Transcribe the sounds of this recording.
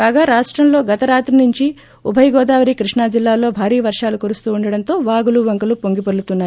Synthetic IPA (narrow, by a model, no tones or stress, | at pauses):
kaːɡaːɾaːʂʈɾɐmlo̞ːɡɐt̪ɐɾaːt̪ɾinuɲt͡ʃi | ubʱɐjɡɔːd̪aːʋɐɾiːkɾiʂɳaːd͡ʒilːaːlo̞ːbʱaːɾiːʋɐɾʂaːlukoɾust̪uːuɳɖɐɽɐnt̪o̞ːʋaːɡuluʋɐŋkɐlupoŋɡipɐɽlut̪unːaː